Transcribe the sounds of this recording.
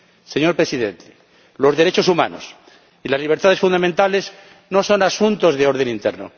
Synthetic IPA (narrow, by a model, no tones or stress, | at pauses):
se̞ɲo̞ɾpɾesiðḛnt̪ʰe̥ | lo̞zðeɾe̞t͡ʃo̞sumã̰no̰s | ilazliβ̞eɾt̪aðefund̪amẽnt̪ale̞z | no̞so̞nasunt̪o̞zðeo̞ɾð̞e̞nĩnt̪eɾno